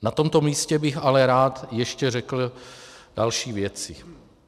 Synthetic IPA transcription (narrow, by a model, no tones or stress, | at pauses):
nat̪o̞mt̪o̞miːscɛbɪxalɛɾaːt̪jɛʃcɛrɛkl̩d̥alʃiːvjɛt͡sɪ